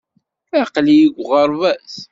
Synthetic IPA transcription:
æqlijiɡʷʁəɾˤvæs

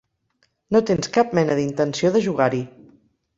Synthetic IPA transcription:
not̪enskap̚mɛnəðint̪ənsioðəʒuɣ̞aɾi

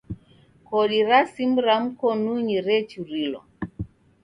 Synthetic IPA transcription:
kɔɗiɾasimuɾam̩kɔnuɲiɾɛt͡ʃuɾilɔ̰

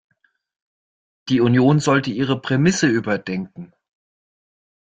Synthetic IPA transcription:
d̥iːunjoːnzɔltəiːʁ̞əpʁ̥emɪsəyːbɐdɛŋkŋ̩

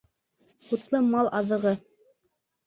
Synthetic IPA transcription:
ut̪lˠɤmɑlˠʔɑðɤ̆ʁɤ

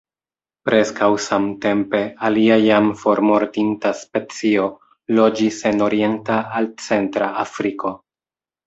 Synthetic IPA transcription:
pɾe̞skawsamte̞mpe̞aliajamfo̞ɾmo̞ɾtintaspet͡sio̞ | lo̞d͡ʒise̞no̞ɾie̞ntaːlt͡se̞ntɾaːfɾiko̞

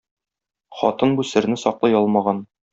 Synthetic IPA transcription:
χɒt̪ɤnbusɘ̆ɾnɘsɒqlˠɤjɒlˠmɑʁɑn

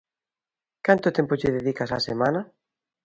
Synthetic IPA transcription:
kant̪ot̪ɛmpoʎɪðeðikasa̰semãna

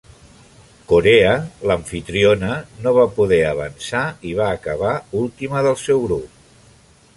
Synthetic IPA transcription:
koɾeələɱfit̪ɾionənoβapuðɛəβ̞ə̰nsaiβaːkəβaulˠt̪iməðəlˠsɛwɣɾup̚

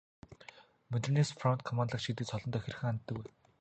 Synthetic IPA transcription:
mɵt̪nesfrɔnt̪̚kʰɔmant̪ɮə̆kʃit̪ɘ̆ːt͡sɔɮɞ̆nt̪œxʲĕrxɘ̆ŋan̆t̪ːɘ̆ke

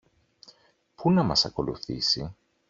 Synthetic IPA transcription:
punɐmɐsɐko̞luθḭsi

